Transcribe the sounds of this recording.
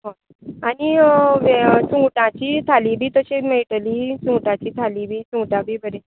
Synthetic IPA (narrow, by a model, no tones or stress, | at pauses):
ɦã | aniʋt͡sũʈãt͡ɕiːt̪ʰalibʱiːt̪əɕemeiʈlit͡sũʈãt͡ɕiːt̪ʰaliːbʱiːt͡sũʈãbʱiːbəɾe